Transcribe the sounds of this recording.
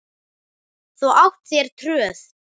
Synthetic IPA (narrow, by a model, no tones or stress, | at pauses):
θuʔawht̪sjɛɾ̥t̪ʰɾœːθ